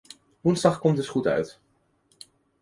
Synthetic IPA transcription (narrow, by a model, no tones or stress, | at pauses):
ʋunzdɑχkɔmtəsχutœ̰ɥt